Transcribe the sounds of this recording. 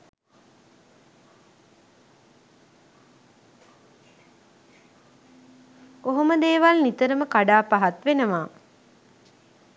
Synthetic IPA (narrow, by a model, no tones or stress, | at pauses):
oɦoməd̪eːʋalnit̪əɾəməkaɖaːpaɦat̪ʋenəʋaː